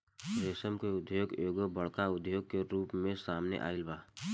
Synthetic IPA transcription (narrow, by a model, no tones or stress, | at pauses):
ɾeːsəmkeʊd̪ʱjoːɡjoːɡobəɭkaʊd̪ʱjoːɡ̚keɾuːpmẽsaːmnḛʔa̰ːɪlbaː